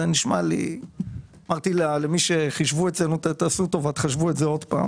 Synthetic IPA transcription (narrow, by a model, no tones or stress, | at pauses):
eniʃmalḭ | amaʁt̪illemiʃeχiʃvuett͡senut̪t̪asut̪o̞vat̪χaʃvuetzeo̞d̪pa̰ː